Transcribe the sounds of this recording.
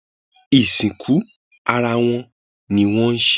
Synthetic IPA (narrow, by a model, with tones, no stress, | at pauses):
i˨sĩ˨kʰu˨˦ | a˧ɾa˧w̃ɔ̃˧ | nĩ˨w̃ɔ̃˦n̩˦ʃ